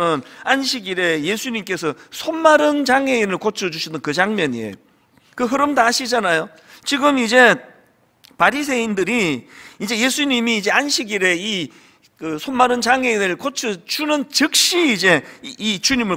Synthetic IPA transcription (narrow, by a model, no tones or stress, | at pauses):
ɯnanɕʰiɡiɾe̞jesʰuɲimk͈e̞sʰʌsʰonmaɾɯnt͡ɕaŋe̞inɯɭkot͡ɕʰʌd͡ʑuɕʰinɯnkɯd͡ʑaŋmjʌɲḭḛ | kɯɦɯɾɯmdaaɕʰid͡ʑanajo | t͡ɕiɡɯmid͡ʑe̞ | paɾis̬ʰe̞indɯɾiːd͡ʑe̞je̞sʰuɲimiːd͡ʑe̞anɕʰiɡiɾe̞i | kɯsʰonmːaɾɯnt͡ɕaŋe̞inɯɭkot͡ɕʰɯt͡ɕunɯnt͡ɕɯk̚ɕ͈iːd͡ʑe̞it͡ɕuɲimɯɭ